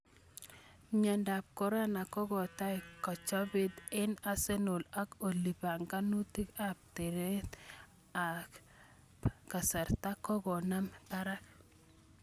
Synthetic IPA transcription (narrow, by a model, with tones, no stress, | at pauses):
mja˨nda˨p̚ko˨ɾa˦na˨kɔ˦ɡɔ˨ta˦jkɔ˨t͡ʃɔ˦be˦t̪ɪ˦na˨se˦nʊ˨la˦ko˨li˨ba˨ŋɡa˦nu˦ti˦ka˨p̚te˨ɾe˦t̪ | a˨k | pka˨sa˨ɾta˦kɔ˦ɡɔ˨na˦mba˦ɾa˦k̚